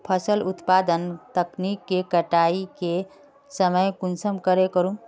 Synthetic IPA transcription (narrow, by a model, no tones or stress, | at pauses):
pʰəsəlut̪pad̪ənt̪əknikːekəʈaike | səməjkunsəmkəɾekəɾũ